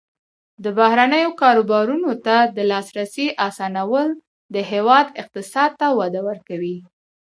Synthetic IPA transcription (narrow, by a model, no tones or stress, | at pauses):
d̪əbahɾanəjokɑɾobɑɾunot̪ad̪əlɑsɾaseʔɑsɑnawəl | d̪əɦewɑd̪ɪq̚t̪ɪsɑd̪̚t̪awad̪awəɾkawi